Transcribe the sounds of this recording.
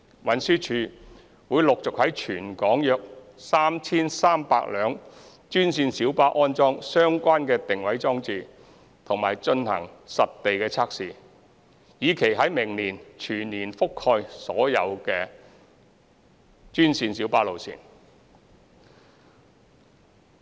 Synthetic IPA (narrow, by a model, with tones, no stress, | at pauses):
wɐ˨˧nsyː˥t͡ʃʰyː˧ | wuː˨˧jlʊ˨k̚t͡sʊ˨k̚hɐ˨˥jt͡ʃʰyː˨˩nkɔː˨˥ŋjœː˧k̚saː˥mt͡sʰiː˥nsaː˥mpa̰ː˧k̚lœː˨˧ŋ | t͡ʃyː˥nsiː˧nsiː˨˥wpaː˥ʔɔː˥nt͡sɔː˥ŋsœː˥ŋkʷaː˥nkɛː˧t̪ɪ˨ŋwɐ˨˥jt͡sɔː˥ŋt͡siː˨˧ | t̪ʰʊ˨˩ŋmaː˨˩jt͡ʃɵ˧nhɐ̰˨˩ŋsɐ˨t̚t̪e˨jkɛː˧t͡sʰaː˥k̚siː˨˩ | jiː˨˧kʰe˨˩jɦɐ˨˥jmɪ˨˩ŋniː˨˩nt͡ʃʰyː˨˩nniː˨˩nfʊ˥khɔː˧jsɔː˨˥jɐ̰˨˧wkɛː˧ | t͡ʃyː˥nsiː˧nsiː˨˥wpaː˧˥lo˨wsḭː˨˩n